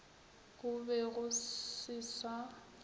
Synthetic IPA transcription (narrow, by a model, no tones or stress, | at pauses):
ɣʊbɛɣʊsɪsa